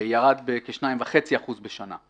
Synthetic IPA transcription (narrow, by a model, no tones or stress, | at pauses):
jaʁad̪bekeʃnaimvaχe̞t͡siaχuzbeʃana̰